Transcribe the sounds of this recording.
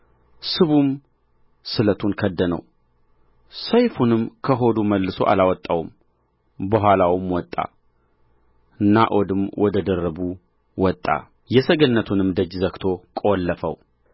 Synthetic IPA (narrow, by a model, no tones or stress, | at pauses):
sɨβum | sɨlət̪ʰunkʰəd̪ːənə̰w | səjfunɨmkʰəɦo̞d̪uməlːɨso̞̰ʔa̰lawɔt̪ʼːawum | bəɦʷalawɨmwɔt̪ʼːa̰ | ɨnːa̰ʔod̪ɨmwʔɔd̪əd̪ərːəbu | wɔt̪ʼːa̰ | jɛsəɡənːət̪ʰunɨmd̪əd͡ʒzəkt̪ʰo̞kʼolːəfə̰w